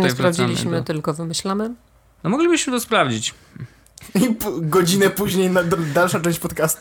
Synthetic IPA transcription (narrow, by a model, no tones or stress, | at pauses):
spɾavd͡ʑilʲḭɕmɘt̪ɘlkɔvɘmɘɕlamɘ | nɔmɔɡlʲibɘɕmɘt̪ɔspɾavd͡ʑit͡ɕ | ipɡɔd͡ʑinɛpuʑɲejnad̪d̪alʂat͡ʂɛ̃w̃t͡ɕʲpɔt̪kast̪u